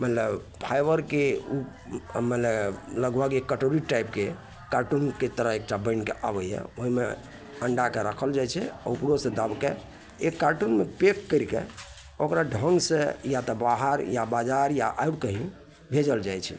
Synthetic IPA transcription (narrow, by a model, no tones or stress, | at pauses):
mət̪ləb | pʰajbəɾkeu | mət̪lələɡbʱəɡekːəʈoɾiʈajpke | kaɾʈunket̪əɾəɦek̚ʈabə̃ɪnkḛʔa̰bəɦɛ̰oɦimḛ | əɳɖakeɾəkʰəld͡ʒajt͡ʃʰɛa̰upɾosẽd̪əbke | ekaɾʈunmepekːəɾkḛ | okɾaɖʱə̃ŋɡsẽjat̪ɔbaɦəɾjabad͡ʒaɾjaʔajɽkəɦi | bʱed͡ʒəld͡ʒajt͡ʃʰɛ̰